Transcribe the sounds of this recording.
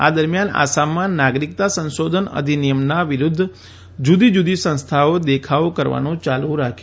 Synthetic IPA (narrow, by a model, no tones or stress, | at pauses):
a̰d̪əɾmjana̰samːãnaɡɾikt̪asə̃nʃod̪ʱənə̰d̪ʱinijəmnaʋɪɾud̪ʱː | d͡ʒud̪id͡ʒud̪isə̃nst̪ʰaod̪ekʰaokəɾʋa̰nũt͡ʃalũɾakʰ